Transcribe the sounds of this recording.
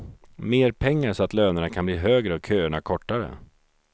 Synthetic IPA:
meːɾpʰɛŋːaʂɔat̪løːnəɳakʰanbliːɦøːɡɾəɔkʰøːəɳakʰɔʈːaɾə̰

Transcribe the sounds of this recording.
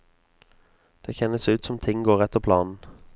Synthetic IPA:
d̪̥eːçɛnːəsʉːt̪sɔmt̪ʰɪŋɡoːʁɛt̪ːəʁpʰlɑːnn̩

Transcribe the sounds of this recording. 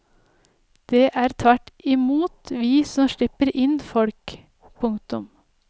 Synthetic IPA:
d̪̥eːʔæːɾt̪ʰʋæʈɪmuːt̪ʋiːsɔmʃɭɪpəɾɪnfɔɽk | pʰʊŋt̪ʊm

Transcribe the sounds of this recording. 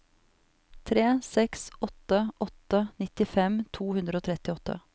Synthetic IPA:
t̪ʰɾeːsɛksɔt̪əʔɔt̪ənɪt̪ɪfɛmt̪ʰuːhʉnd̪ɾəoːt̪ʰɾɛt̪ɪɔt̪ʰːə̰

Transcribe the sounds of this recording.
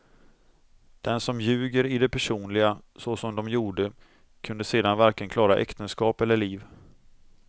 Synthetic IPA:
d̪̥ɛnsɔmjʉ̟ːɡəɾɪd̪ɛpʰæʂuːnlɪɡasɔsɔmd̪ɔmjuːɖə | kʰɵnd̪əseːd̪anvæɾklɪənkʰlɑːɾaʔɛ̰kt̪ənskɑːpɛlːəɭiːv

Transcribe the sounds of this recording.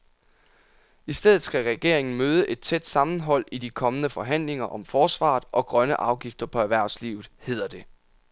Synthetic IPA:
isd̥eðˠð̩ˠsɡ̥æʁɛɡ̥e̝ɐ̰eŋn̩møːðˠəʔe̝d̥̚t͡sʰed̥sɑ̈mn̩ɦɒ̽l̰id̥ikʰɒ̽mənəfɒ̽ɦæn̰le̝ŋɐʔɒ̽mfɒːsʋɑ̰̈ːð̩ˠʔɒ̽ɡ̥ʁɶnəʔɑ̈ʊɡ̥ifd̥ɐpʰɒ̽æɐʋæɐ̰slḭːʊð̩ˠhe̝ð̰ˠɐd̥e̝

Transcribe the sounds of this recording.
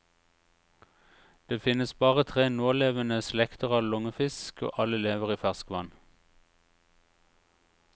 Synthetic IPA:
d̪̥eːfɪnəsbɑːʁət̪ʰʁeːnoːleːʋənəslɛkt̪əʁɑːʋlɔŋəfɪsko̰ːʔɑləleːʋəʁiːfæʁskʋɑn

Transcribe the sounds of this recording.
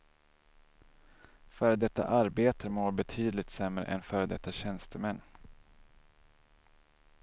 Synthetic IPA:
fœːɾd̪ɛt̪ːa̰ʔaɾbeːt̪ʰəmoːɾbɛt̪ʰyːd̪lɪt̪sɛmɾə̰ʔɛnfœːɾd̪ɛt̪ːaɕɛnst̪əmɛnː

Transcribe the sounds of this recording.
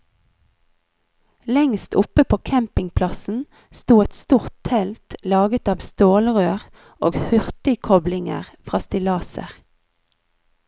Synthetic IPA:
lɛŋst̪ʰʊpəpʰoːkʰæmpɪŋpʰlɑsn̩ | st̪uːɛt̪st̪uːʁt̪t̪ʰɛlt̪lɑːɡət̪ɑːʋst̪oːlʁøːʁ | ʔo̰ːɡhʏʁt̪ɪkʰɔblɪŋə̰ʁfʁɑːst̪ɪlɑːsə̰ʁ

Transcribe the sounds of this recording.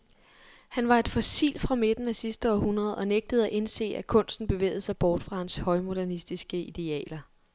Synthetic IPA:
hænʋɑ̈e̝d̥fɒ̽sḭːlfʁɑ̈me̝d̥n̩æsisd̥əɒhunʁɐð̞̩ˠɒ̽neɡ̥̚d̥əð̞̩ˠæʔe̝nse̝̰ːækʰɔ̽n̰sd̥n̩b̥e̝ʋḛːð̩ˠsɑ̈ɪb̥ɒːd̥fʁɑ̈hænshɒ̽ɪmo̝d̥æɐnisd̥isɡ̥əid̥e̝ɛ̰ːlɐ

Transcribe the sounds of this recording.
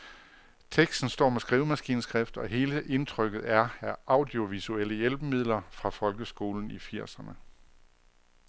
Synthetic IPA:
t͡sʰeɡ̥sd̥n̩sd̥ɒ̰ːmesɡ̥ʁiːʊmæsɡ̥ḭːnsɡ̥ʁafd̥ɒ̽ɦe̝ːləʔe̝nt͡sʰʁœɡ̥ð̩ˠæɐæʔɑ̈ʊdio̝ʋisuel̰əjelb̥əmið̞̰ˠlɐfʁɑ̈fɒ̽lɡ̥əsɡ̥o̝ːln̩ifiɐ̰sɐnə

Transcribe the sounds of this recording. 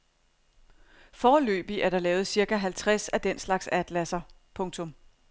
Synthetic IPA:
fɒːlø̰ːb̥iʔæɐɾɑ̈lɛːʊð̩ˠsiɐɡ̥æɦælt͡sʰʁasæd̥en̰slɑ̈ɡ̥sæd̥læsɐ | pʰɔ̽ŋt͡sʰɔ̽m

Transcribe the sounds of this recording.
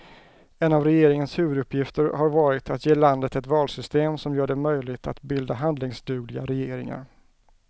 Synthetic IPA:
ɛnavɾɛjeːɾɪŋənshʉ̟ːvɵd̪ɵpʰːjɪft̪əɾhaɾvɑːɾɪt̪at̪jeːland̪ət̪ɛt̪vɑːlsʏst̪eːmsɔmjœːɖɛmœjlɪɡt̪ʰa̰t̪bɪld̪aɦand̪lɪŋsd̪ʉ̟ːɡlɪɡa̰ɾɛjeːɾɪŋa̰ɾ

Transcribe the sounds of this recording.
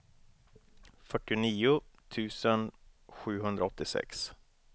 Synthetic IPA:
fœʈːɪʊniːʊt̪ʰʉ̟ːsənɧʉ̟ːɦɵnd̪ɾʔaɔt̪ːɪsɛ̰ks

